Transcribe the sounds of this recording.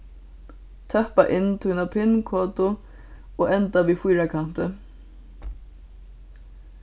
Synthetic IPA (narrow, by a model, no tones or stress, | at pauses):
t̪ʰœhpa̰ʔɪnːt̪ʰunapʰɪnkʰɔːt̪ʊ | oːɛnt̪aʋiːfujɾakʰan̥t̪ɪ